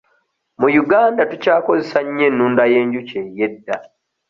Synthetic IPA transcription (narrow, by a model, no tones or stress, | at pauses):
mujuɡaːndatucaːko̞zesaɲːe̞nːuːndaje̞ːɲɟuceje̞dːa